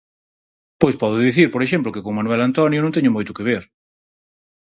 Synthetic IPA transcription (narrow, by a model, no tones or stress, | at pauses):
pojspɔðʊðiθiɾpoɾeʃemp̬lʊkɪkoŋmanuwɛlant̪ɔnjʊnõŋt̪ɛɲʊmojt̪ʊkeβ̞eɾ